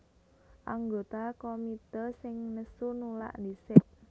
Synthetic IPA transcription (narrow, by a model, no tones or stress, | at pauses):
ʔaŋɡot̪akomit̪ərsɪŋnəsunula̰ʔd̪isɪʔ̚